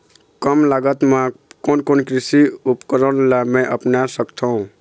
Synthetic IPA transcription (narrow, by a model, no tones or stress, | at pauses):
kəmlaɡət̪mãkonkonkɾisiupkəɾənlamẽʔəpnasəkt̪ʰõ